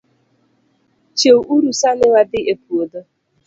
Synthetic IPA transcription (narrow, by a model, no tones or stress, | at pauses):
t͡ʃeuʔuɾusanɪwadɪʔepuodo